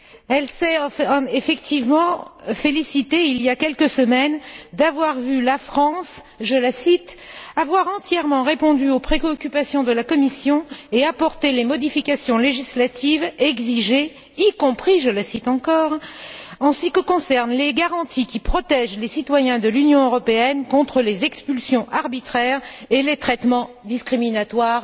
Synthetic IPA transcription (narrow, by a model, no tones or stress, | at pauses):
ɛlsɛefɛkt̪ivmɑ̃felisit̪eilijakʲɛlkəsəmɛnd̪avwaʁvylafχɑ̃s | ʒəlasit̪avwaʁɑ̃t̪jɛʁmɑ̃ʁepɔ̃d̪yopχeɔkʲypasjɔ̃d̪əlakɔmisjɔ̃eapɔʁt̪elemɔd̪ifikʲasjɔ̃leʒislat̪ivɛɡziʒe | ikɔ̃pχiʒəlasit̪ɑ̃kɔʁɑ̃sikəkɔ̃sɛʁnleɡaʁɑ̃t̪ikʲipχɔt̪ɛʒlesit̪wajɛ̃d̪əlynjɔ̃øʁɔpeɛnkɔ̃t̪χəlezɛkspylsjɔ̃ʔaʁbit̪χɛʁelet̪χɛt̪mɑ̃ | d̪iskχiminat̪waʁ